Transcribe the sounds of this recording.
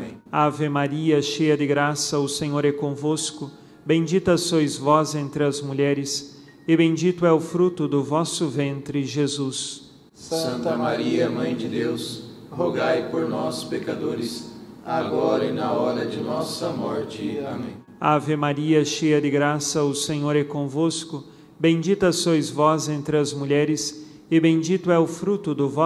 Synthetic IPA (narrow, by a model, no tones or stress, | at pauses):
ẽavemaɾiɐʃejɐd̪ɪɡɾasɐʊsẽɲoɾɛkõvoskʊ | bẽd͡ʒit̪ɐsojzvɔzẽnt̪ɾɪɐzmuʎɛɾɪs | ɪbẽd͡ʒit̪ʊɛʊfɾut̪ʊd̪ʊvɔsʊvẽnt̪ɾɪʒezus | sɐ̃nt̪ɐmaɾiɐmɐ̃j̃d͡ʒɪd̪ews | hoɡajpoɾnɔspekad̪oɾɪsaɡɔɾɐɪnɐɔɾɐd͡ʒɪnɔsɐmɔɾt͡ʃɪamẽj̃ | avɪmaɾiɐʃejɐd̪ɪɡɾasɐʊsẽɲoɾɛkõvoskʊ | bẽj̃d͡ʒit̪ɐsojzvɔzẽnt̪ɾɪɐzmuʎɛɾɪs | ɪbẽj̃d͡ʒit̪ʊɛʊfɾut̪ʊd̪ʊvɔ